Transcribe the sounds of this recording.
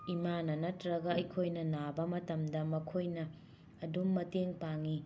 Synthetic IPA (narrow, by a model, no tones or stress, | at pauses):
imanɐnɐtɾɐɡɐɐjkʰojnɐnabɐmɐtɐmdɐmɐkʰojnɐː | dumːɐteŋpaŋi